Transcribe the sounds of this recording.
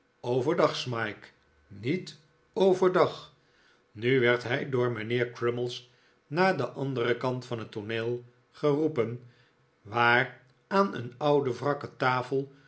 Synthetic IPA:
owvəɹdɑχsmɑjk | nit | owvəɹdɑχ | nyʋɛɹtɦɛjdʊːɹmənɪːɹkɹɪməlˠs | naːdəʔɑndərəkɑntfɑnɦətoneːlˠ | χərupən | ʋaːr | aːnə̰nʌwdəvrɑkətaːfəlˠ

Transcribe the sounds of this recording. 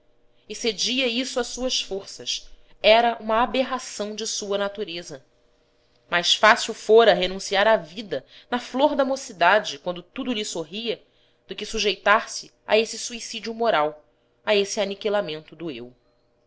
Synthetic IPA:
ɪsed͡ʒiɐisʊasuɐsfoɾsɐs | ɛɾɐʔũmɐːbeɦasɐ̃w̃d͡ʒɪsuɐnat̪uɾezɐ | majsfasiwfoɾɐɦenũsiaɾavid̪ɐnɐfloɾd̪ɐmosid̪ad͡ʒɪkwɐ̃nd̪ʊt̪ud̪ʊlisoɦiɐ | d̪ʊkɪsuʒejt̪aɾsɪ | a̰esɪsuisid͡ʒiumoɾaw | aesɪanikilamẽnt̪ʊd̪ʊḛw

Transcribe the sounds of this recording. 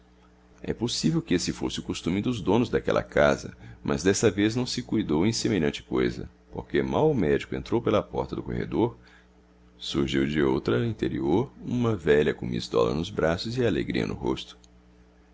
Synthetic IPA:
ɛ̰posivewkɪesɪfo̰sɪʊkost̪ũmɪd̪ʊzd̪õnʊzd̪akɛlɐ̰kazɐ̰mʔɐ̰zd̪ɛst̪ɐveznɐ̃w̃sɪkujd̪owẽĩsemeʎɐ̃nt͡ʃɪ̥kojzɐ̰ | poɾkemawʊmɛd͡ʒikʊẽnt̪ɾowpelɐpɔɾt̪ɐd̪ʊko̰hḛd̪oɾ | suɾʒiwd͡ʒɪowt̪ɾɐĩnt̪eɾioɾũmɐvɛʎɐkõmḭzd̪ɔ̰lɐ̰nʊzbɾasʊzɪalḛɡɾiɐ̰nʊ̰ɦo̰st̪ʊ̥

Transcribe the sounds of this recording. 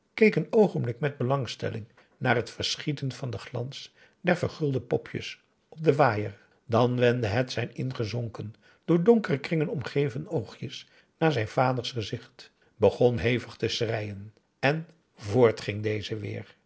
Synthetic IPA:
kejkənowχəmblɪkmɛd̚bəlɑŋstɛ̰lɪŋ | naːɹɦətfəɹsχitənv̥ɑndəχlɑns | dɛɹvəɹχɵlˠdəpɔpʰjə̰s | ʔɔp̚dəʋaːjəɹ | dɑnʋɛndəɦɛtsɛjnɪnχəzɔŋkən | d̥ʊːɹdɔŋkərəkrɪŋənɔmχejvənowχjəs | naːɹzɛjnv̥aːdəɹsχəzɪχt | bəχɔnɦejvəχtəsrɛjən | ɛn | vʊːɹtχɪŋdejzəʋɪ̰ːɹ

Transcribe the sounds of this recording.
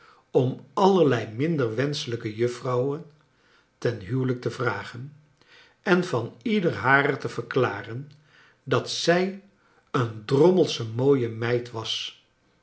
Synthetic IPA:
ɔmɑləɹlɛjmɪndəɹʋɛnsələkəjɵfrɑwən | tɛnɦywlək̚təvraːχən | ɛnv̥ɑnidəɹɦaːrətəv̥əɹklaːrən | dɑtsɛj | əndrɔməlˠsəmoːjəmɛjtʋɑs

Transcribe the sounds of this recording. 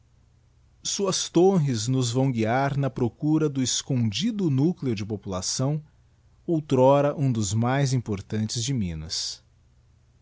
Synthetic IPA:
suɐst̪õɦɪznʊzvɐ̃w̃ɡiaɾnɐpɾokuɾɐd̪ʊɪskõd͡ʒid̪ʊnukleʊd͡ʒɪpopula̰sɐ̃w̃ | owt̪ɾɔɾɐʔũd̪ʊzmajzĩpoɾt̪ɐ̃nt͡ʃɪzd͡ʒɪmĩnɐ̰s

